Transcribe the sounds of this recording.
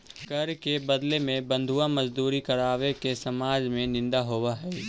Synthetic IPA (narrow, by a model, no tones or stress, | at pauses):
kɐɾkebəd̪lemẽbə̃nd̪ʱuamɐd͡ʒd̪uːɾikɐɾaːʋekesɐmaːd͡ʒmẽnɪ̃nd̪aɦoːwaɦɛː